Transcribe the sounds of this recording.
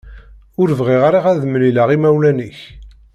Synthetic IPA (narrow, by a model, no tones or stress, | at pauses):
ʊɾəvʁiʁaɾaʁæðəmlilaʁimæwlæniç